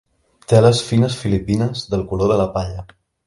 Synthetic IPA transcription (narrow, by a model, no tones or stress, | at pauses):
t̪eləsfinəsfilipinəzðəlˠkuloðələpaʎə